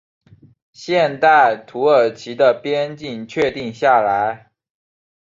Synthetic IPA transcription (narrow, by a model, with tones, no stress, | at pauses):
ɕjɛ˥˧nt̪a˥˩ɪt̪ʰu˧˥ə˞˨˩t͡ɕʰi˧˥d̪ə˧˨pjɛ˥nt͡ɕi˥˩ŋt͡ɕʰɥɛ˥˧t̪i˥˧ŋɕja˥˩la˧˦ɪ